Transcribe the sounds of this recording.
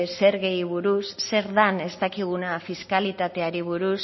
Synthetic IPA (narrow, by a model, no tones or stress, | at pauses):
se̞ɾɣe̞jβuɾusːe̞ɾðane̞st̪akiɣ̞unafiskalit̪at̪e̞aɾiβuɾus